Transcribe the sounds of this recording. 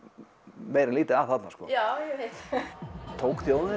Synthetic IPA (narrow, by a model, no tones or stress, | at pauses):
mejɾɪnliːt̪ɪaθat̪naskʰɔ̰ːjawjɛhet̪ | t̪ʰoːwkθjowðɪn